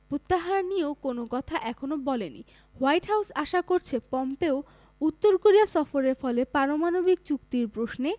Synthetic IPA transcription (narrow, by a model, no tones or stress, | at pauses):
pɾot̪ːaɦaɾniokonokɔt̪ʰaʔɛkʰonobɔlenḭ | wajʈɦawsaʃakoɾt͡ɕʰepɔmpeo | ut̪ːoɾkoɾiasɔfoɾeɾfɔlepaɾomanobik̚t͡ɕukt̪iɾpɾosne